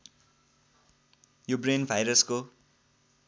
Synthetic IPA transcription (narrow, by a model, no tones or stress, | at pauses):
jobrenbʱajɾʌsko